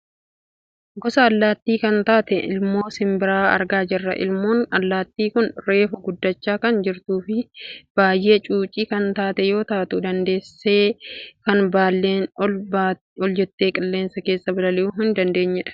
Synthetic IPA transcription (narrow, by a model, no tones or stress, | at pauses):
ɡɔsɐːlːaːt̪ːiːkɐnt̪aːt̪ɛʔɪ̰lmo̞ːsɪmbɪɾaːɐ̰ɾɡaːd͡ʒɪrːɐ̰ʔɪ̰lmoːnɐlːaːt̪ːiːkʊnɾe̞ːfʊɡʊd̪ːɐt͡ʃːaːkɐnd͡ʒɪɾt̪uːfɪb̥aːjːe̞ːt͡ʃʼuːt͡ʃʼiːkɐnt̪aːt̪ɛjo̞ːt̪aːt̪ʊd̪ɐnd̪e̞ːsːeːkɐnbaːle | ɔld͡ʒɛt̪ːe̞ːkʼɪlːe̞ːnsɐke̞ːsːɐbɐlɐlɪuːɦɪnd̪ɐnd̪e̞ːɲːɛᶑɐ̥